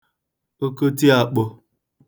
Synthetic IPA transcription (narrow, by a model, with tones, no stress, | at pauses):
o˦ko˦ti˦a˨k͡po˨